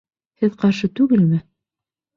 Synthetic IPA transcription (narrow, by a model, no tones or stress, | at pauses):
hɘðqɑɾʃɤt̪ʉɡɘlmɘ